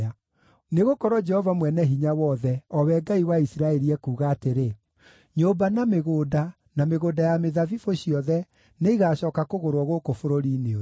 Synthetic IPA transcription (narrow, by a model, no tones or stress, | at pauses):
a | neɣokɔɾwɔd͡ʒɛhɔvamwɛnɛɦiɲawɔðɛɔwɛɡaiwaisiɾaɛɾiɛkuːɣaːteɾe | ɲoːbanameɣoːda | nameɣoːdajameðavifoɕiɔðɛ | neiɣaːɕɔːkakoɣoɾwɔɣokofoɾoɾiːneo